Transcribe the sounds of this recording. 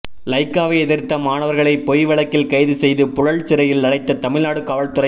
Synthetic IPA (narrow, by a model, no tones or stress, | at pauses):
lɐɪkːaːʋɐɛðɪɾt̪ːɐmaːɳɐʋɐɾɣɐɭɐɪpɔjʋɐɭɐkːɪlkɐɪðɯsɛjðɯpʊɻɐɭt͡ʃɪɾɐjɪlɐɽɐɪt̪ːɐt̪ɐmɪɭnaːɽɯkaːʋɐɭt̪ʊɾɐ